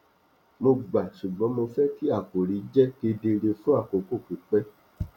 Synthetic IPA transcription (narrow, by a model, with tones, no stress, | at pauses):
mo˧ɡ͡ba˨ʃu˨ɡ͡bɔ̃˨˦mo˧fɛ˦ti˦a˦˨ko˨ɾi˨˦d͡ʒɛ˦ke˧de˧ɾe˧fũ˦a˦˨ko˨ko˦˨ki˨k͡pɛ˦